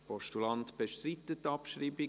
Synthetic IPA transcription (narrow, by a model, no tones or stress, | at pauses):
pʰɔʃtulɑntb̥eʃtɾitətːɑpʃɾiːbi